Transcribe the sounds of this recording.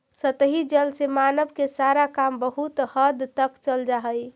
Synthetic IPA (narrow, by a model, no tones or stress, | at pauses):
sət̪əɦid͡ʒəlsemanəbkesaɾakambəɦut̪həd̪t̪əkt͡ʃəld͡ʒaɦəj